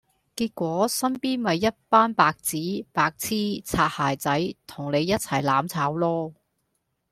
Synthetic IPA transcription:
kiː˧t̚kʷɔː˨˥sɐ˥mpiː˥nmɐ˨˧jːɐ˥t̚paː˥npaː˧k̚t͡siː˨˥paː˧k̚t͡sʰiː˥t͡sʰaː˧t̚haː˨jt͡sɐ˨˥jt̪ʰʊ˨˩ŋne˨˧jːɐ˥t̚t͡sʰɐ˨˩jlaː˨˥mt͡sʰaː˨˥wlɔː˥

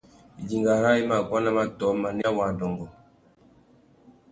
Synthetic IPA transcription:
i˨d͡ʒi˨ŋɡa˨ɾa˦i˦ma˨kwa˦na˦ma˦tɔ˨˦ma˨ni˦a˦wa˨dɔ˨ŋɡɔ˨

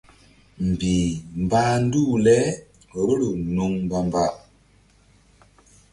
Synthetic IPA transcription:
m̩˨bi˨m̩˨ba˦n̩˦du˦˨lɛ˦ | ə˨˦lu˨nu˦ŋmba˦m˨ba˦ʔ

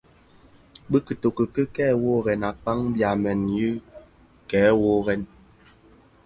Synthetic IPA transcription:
bə˦kə˨to˨kə˨kə˦kɛː˦˨wo˦ɣɛ˨na˨k͡pa˦ŋbja˨mɛ˨nji˦ | kɛː˨˦wo˦ɣɛ˨n

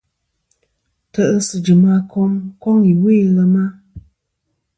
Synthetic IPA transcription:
tə˨ʔə˦sɨ˨d͡ʒɨ˨ma˦kʰɔ˦ŋkɔ˦ŋi˨we˦lə˧ma˦

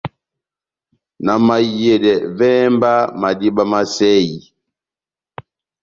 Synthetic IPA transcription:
na˨ma˨jɛ˨dɛ˨vɛ˦mba˦ma˨di˦ba˦ma˦sɛ˦ji˨

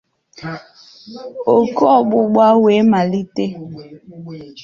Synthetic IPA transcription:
o˨kɔ˦˨ɓʊ˦ɡ͡ba˦we˨˦ma˨li˦te˦

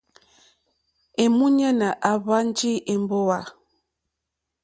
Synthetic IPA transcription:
e˨mu˦ɲa˦na˨ʔa˨βa˦nd͡ʒi˦ʔe˨mbo˦wa˨

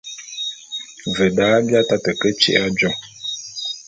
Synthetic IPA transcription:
və˨daː˨˦bja˦ta˦tə˨kə˦t͡ʃḛ˨ʔa˦d͡ʒo˨ŋ

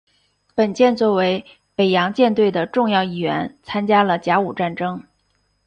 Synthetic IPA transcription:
pə˨˩nt͡ɕjɛ˥˧nt͡swɔ˥˩we˧˥ɪ | pe˨˩ɪjɑ˧˥ŋt͡ɕjɛ˥˧nt̪we˥˩ɪd̪ə˩ʈ͡ʂʊ˥˧ŋjɑ˥˧ʊi˥˩ɥɛ̰˧˥nt͡sʰa˥nt͡ɕja˥lə˨t͡ɕja˧˥u˨˩ʈ͡ʂa˥˩nʈ͡ʂɤ˥ŋ

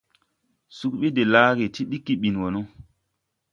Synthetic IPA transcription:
su˦k̚ɓi˦de˨laː˦ɡe˨ti˦ɗi˦kːi˨ɓi˨nwo˨no˦

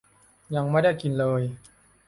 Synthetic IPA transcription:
ja˧ŋma˥˩da˥˩jki˧nlɤː˧j

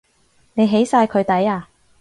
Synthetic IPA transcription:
ne˨˧jɦe˨˥jsaː˧jkʰɵ˨˧ɥt̪ɐ˨˥jaː˧

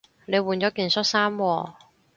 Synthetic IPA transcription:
ne˨˧jwuː˨˩nt͡ɕɔː˨˥kiː˨˧nsɔ˥t̚saː˥mwɔː˧

